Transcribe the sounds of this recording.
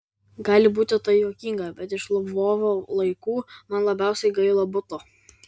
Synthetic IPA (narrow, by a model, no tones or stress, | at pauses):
ɡɑːlʲɪbuːt̪ʲɪt̪ɐjoːkʲiːŋɡɐbʲɛt̪ɪʃlˠʊʋoːʋoːlˠɐɪkuːmɐnlˠɐbʲæˑʊsʲɛɪɡɐɪlˠɐbʊt̪oː